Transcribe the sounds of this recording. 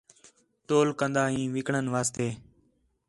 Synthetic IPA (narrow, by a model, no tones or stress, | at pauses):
t̪oːlkənd̪aːɦĩːʋɪkɳənʋaːst̪eː